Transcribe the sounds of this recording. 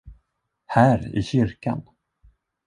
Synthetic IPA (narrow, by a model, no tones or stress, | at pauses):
hæːɾɪ̰ɕʏɾka̰n